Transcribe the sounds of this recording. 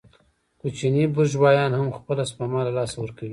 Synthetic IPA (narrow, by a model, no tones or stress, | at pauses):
kut͡ʃinibʊʒwɑjɑnhamxpəlaspamɑlalɑsawəɾkawi